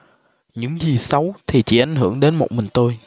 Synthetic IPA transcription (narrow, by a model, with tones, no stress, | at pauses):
ɲɨ̰˧˥ŋzi˨˩sa˨˦wt̪ʰi˨˩t͡ɕḭ˧˩˥ʔa˧˩jŋ̟ɦɨ̰˧˩əŋɗe˨˦nmo˨˩t̚mï˨˩ŋ̟t̪o˧j